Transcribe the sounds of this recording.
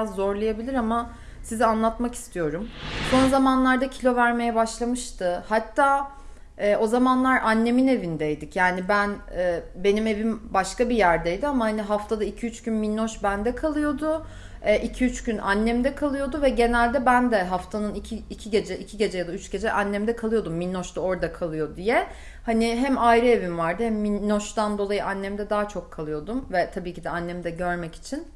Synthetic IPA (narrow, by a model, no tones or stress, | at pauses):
azːo̞ɾlˠajabilʲiɾama | sizianlˠat̪maki̥st̪ʰijo̞ɾumso̞nzamanlˠaɾd̪acʰilʲo̞væɾme̞jɛbaʃlˠamɯʃt̪ʰɯhat̪ʰːaː | ɛːo̞zamanlˠaɾanːe̞mine̞vind̪ejd̪icjaːnibænɛːbe̞nime̞vimbaʃkabijæɾd̪ejd̪iamahaniɦaft̪ʰad̪aicʰiyt͡ʃɟynminːoʃbænd̪ɛkʰalˠɯjo̞d̪ʊ | ɛʔicʰiyt͡ʃɟynʔa̰nːɛmd̪ɛkʰalˠɯjo̞d̪uvɛɟe̞nælʲd̪ɛbænd̪ɛɦaft̪ʰanɯnicʰiicʰiɟe̞d͡ʒɛʔicʰiɟe̞d͡ʒɛjad̪ayt͡ʃɟe̞d͡ʒɛʔanːɛmd̪ɛkʰalˠɯjo̞d̪umːinːoʃt̪ao̞ɾd̪akʰalˠɯjo̞d̪ijɛ | haniɦæmajɾɯe̞vimvaɾd̪ɯhɛæmːinːoʃt̪and̪o̞lˠajɯʔanːɛmd̪ɛd̪aːat͡ʃʰo̞kʰːalˠɯjo̞d̪umvɛt̪ʰabiːcid̪ɛanːɛmd̪ɛɟø̞ɾmɛci̥t͡ʃʰin